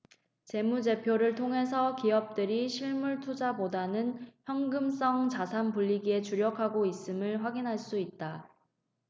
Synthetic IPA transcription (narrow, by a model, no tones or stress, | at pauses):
t͡ɕe̞mud͡ʑe̞pʰjoɾɯɭtʰoŋɦe̞sʰʌkiʌp̚t͈ɯɾiɕʰiɭmuɭtʰud͡ʑabodanɯnçjʌŋɡɯms͈ʌŋt͡ɕasʰanpuʎːiɡie̞t͡ɕuɾjʌkʰaɡois͈ɯmɯɭɸwaɡinɦaɭs͈uit̚t͈a